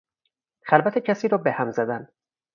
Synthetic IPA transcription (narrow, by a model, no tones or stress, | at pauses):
xælbæt̪ʰecʰæsiːɾɒːbehæmzæd̪æn